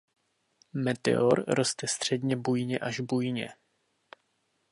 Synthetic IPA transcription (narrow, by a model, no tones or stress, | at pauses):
mɛt̪ɛ̰oɾɾo̞st̪ɛst̪r̝̥ɛd̪ɲɛbujɲɛʔaʒbujɲɛ̰